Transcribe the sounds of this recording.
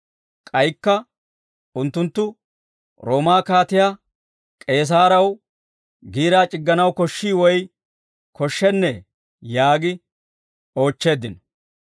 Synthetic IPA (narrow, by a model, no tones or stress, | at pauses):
kʼɐjkːɐ | ʊnt̪ːʊnt̪ːʊ | ɾo̞ːmaːkaːt̪ɪjaː | kʼe̞ːs̬aːɾɐw | ɡiːɾaːt͡ʃʼɪɡːɐnɐwkɔʃːiːwɔj | kʰɔʃːɛnːɛ | jaːɡɪ | o̞ːt͡ʃːe̞ːd̪ɪnɔ